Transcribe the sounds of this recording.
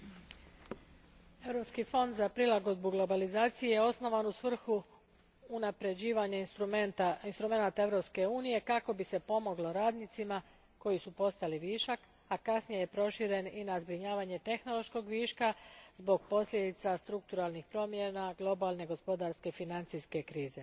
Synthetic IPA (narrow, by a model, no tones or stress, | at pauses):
e̞ʋɾo̞pskifo̞nd̪zapɾilˠaɡo̞d̪̚buɡlˠo̞balizaːt̪sijejeo̞sno̞ʋanusʋr̩xuː | napɾe̞d͡ʑiːʋaɲa | inst̪ɾume̞nat̪aevɾo̞pske̞uːnije̞kako̞bise̞po̞mo̞ɡlo̞ɾaːd̪nit̪sima | ko̞jisupo̞st̪aliʋiːʃak | akasnijeje̞pɾo̞ʃiɾe̞ninazbɾiɲaːʋaɲe̞t̪e̞xno̞lo̞ʃko̞ɡʋiːʃkazbo̞ɡ̚po̞sʎʲed̪it̪sast̪ɾuk̚t̪uɾalˠnixpɾo̞ːmjenaɡlˠo̞balne̞ɡo̞spo̞d̪aɾske̞finant̪siske̞kɾiːze̞